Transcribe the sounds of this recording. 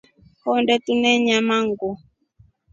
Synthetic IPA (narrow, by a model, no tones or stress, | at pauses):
hɔndɛtunɛɲamaŋɡu